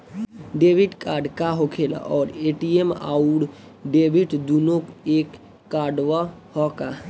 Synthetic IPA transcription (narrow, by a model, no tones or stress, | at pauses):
ɖebʱiʈkaɖkaɦokʰela̰ʔɔːɾeʈiema̰uɽ | ɖebʱiʈd̪unokekː | aɖʋa | hɔka